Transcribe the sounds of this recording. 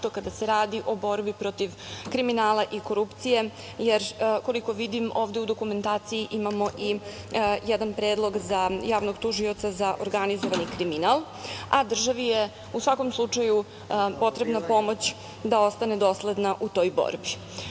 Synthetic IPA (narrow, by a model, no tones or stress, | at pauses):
t̪okad̪aseɾaːd̪iʔo̞bo̞ɾbipɾo̞t̪iʋkɾiminaːlˠaʔiko̞ɾupt̪sije̞ | jeɾko̞liko̞ʋid̪imoːvd̪eud̪o̞kume̞nt̪aːt̪sijiʔimamo̞ʔi | jɛd̪anpɾed̪lˠo̞ɡzajaːʋno̞ɡt̪uʒio̞t̪sazaʔoɾɡanizoʋanikɾiminalˠ | ad̪r̩ʒaʋije | usʋako̞mslˠut͡ʂaju | po̞t̪ɾe̞bnapo̞mo̞t͡ɕ | d̪ao̞st̪ane̞d̪o̞sled̪naʔut̪o̞ːjbo̰ɾbi